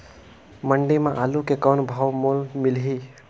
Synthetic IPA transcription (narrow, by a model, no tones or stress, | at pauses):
məɳɖimãʔalukekaːnbʱaːwmolmɪlɦi